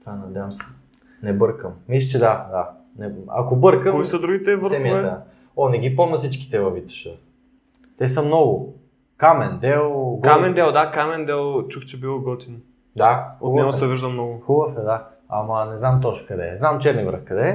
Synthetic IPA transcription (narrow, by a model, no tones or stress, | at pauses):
t̪vanɐd̪javɐmsɛ̥ | nɛbɤɾkəmːis̬ʲət͡ʃɛd̪ad̪a | nɛa̰kobɤɾkəkoisəd̪ɾuɡit̪ɛvəsɾɛmiɛ | ɔnɛɡ̟ipɔmnɐsit͡ʃki̥t̪ɛvɐvit̪u̥ʃə | t̪ɛsəmnɔɡʊ | kamɛnd̪ɛlˠɡamɛnd̪ɛlˠd̪akamɛnd̪ɛlˠt͡ʃuxt͡ʃɛbilˠoɡɔt̪ino | d̪axotub̪ɛɡɔsɛviʒd̪əmnɔɡʊxubəfɛd̪a | ɐ̰mɐnɛznamt̪ɔt͡ʃkɐd̪ɛ̰znamt͡ʃɛɾnivə̰ɾ̰fkɐd̪ɛ